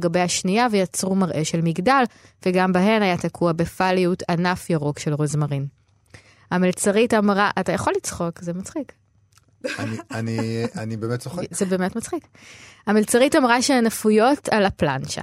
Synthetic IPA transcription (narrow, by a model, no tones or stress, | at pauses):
ɡabejhaʃnijavejat͡sʁumaʁʔe̞ʃelmiɡdalveɡambaɦe̞najatakʰuabefalijutʰanafjaʁo̞kʃe̞lʁozmaʁin | hamelt͡saʁitamʁaʔatajaχo̞lit͡sχo̞kzemat͡sχik | anianianibeːmett͡soχezebe̞ːmetmat͡sχik | hamelt͡saʁitamʁaʃeanafujo̞talapla̰nʃa̰